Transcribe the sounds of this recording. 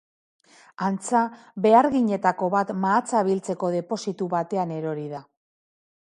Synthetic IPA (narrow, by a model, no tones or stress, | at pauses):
ant͡sa | βe̞aɾɣiɲe̞t̪ako̞βat̪maːt͡saβilt͡se̞ko̞ð̞e̞po̞sit̪uβat̪e̞ane̞ɾo̞ɾiða